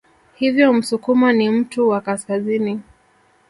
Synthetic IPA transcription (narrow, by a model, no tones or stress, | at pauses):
hivjɔm̩sukumanim̩tuwakaskazini